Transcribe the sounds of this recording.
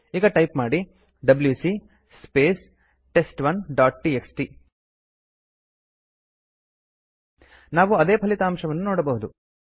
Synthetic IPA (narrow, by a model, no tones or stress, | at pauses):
iːɡɐʈɐjpmaːɽi | ɖɐbljuːsi | speːs | ʈe̞sʈʋɐnɖaːʈʈiːeksʈi | naːʋuɐd̪e̞ːpʰɐlit̪aːmʃɐʋɐnːunoːɽɐbɐɦud̪u